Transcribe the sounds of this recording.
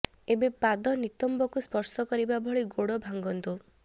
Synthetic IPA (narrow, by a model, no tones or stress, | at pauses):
ebepad̪ɔnit̪ɔmbɔkuspɔɾsɔkɔɾibabʱɔɭiɡoɽɔbʱaŋɡɔnt̪u